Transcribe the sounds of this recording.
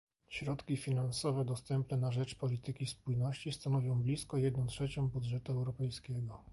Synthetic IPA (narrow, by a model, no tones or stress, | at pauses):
ɕɾɔt̪kʲifʲinansɔvɛd̪ɔst̪ɛmpnɛnaʐɛt͡ʂpɔlʲit̪ɘkʲispujnɔɕt͡ɕist̪anɔvʲjɔ̃w̃blʲiskɔjɛd̪nɔ̃w̃tʂɛt͡ɕɔ̃w̃bud̪ʐɛt̪uɛwɾɔpɛjskʲɛɡɔ